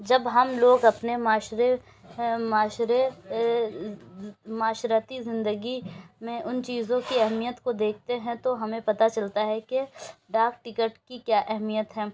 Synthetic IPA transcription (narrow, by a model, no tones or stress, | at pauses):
d͡ʒɐbɦɐmloːɡɐpnemaːʃɾe | maːʃɾe | maːʃɾat̪izɪ̃nd̪əɡimẽʔʊnt͡ʃiːzõkiɛɦmijət̪kod̪eːkʰt̪eɦɛ̃t̪oɦɐmẽpɐt̪at͡ʃɐlt̪aɦɛkeɖaːkʈɪkəʈkikjaːʔɛɦmijət̪ɦɛ̃ː